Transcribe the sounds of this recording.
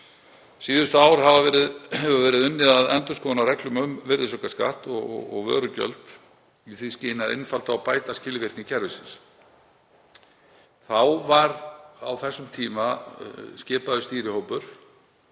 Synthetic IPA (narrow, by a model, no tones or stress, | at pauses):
siːðʏst̪aːwɾ̥havavɛɾɪðɛvavɛːɾɪðʏnːɪðaðɛnt̪ʏskʰɔnarɛklʏmʏmvɪɾðɪsœkaska̰ht̪ɔɣ̰ɔ̰ɣvœ̰ːɾʏcœ̰lt̪ | iθviscɪːnɪaðʔɪ̰nfalt̪aawpaːjt̪ascɪlvɪr̥knɪcʰɛɾvɪsɪns | θawvaɾawθɛsːʏmt̪ʰiːmascɪːpaðʏst̪iːɾɪhoːwpʏɾ̥